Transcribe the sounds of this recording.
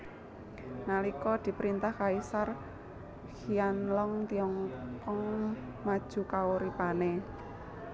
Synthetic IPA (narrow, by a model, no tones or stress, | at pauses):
nalikɔd̪̥i̤pɾint̪ahkaisar | hianlɔŋt̪iɔŋkɔŋmad̥ʒ̥ṳkaoɾipane